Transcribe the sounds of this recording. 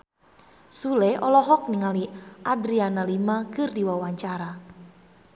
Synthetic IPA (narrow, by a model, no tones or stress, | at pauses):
sulɛɔlɔɦɔk̚niŋaliʔadɾianalimakɨrdiwawaɲt͡ʃaɾa